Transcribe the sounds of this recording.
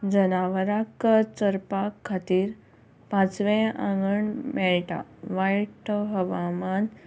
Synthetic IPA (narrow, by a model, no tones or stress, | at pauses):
d͡zənaʋəɾakt͡səɾpakʰːat̪iːɾ | pãt͡sʋẽã̰ŋɡəɳmɛɭʈa̰ʋajʈɦəʋaman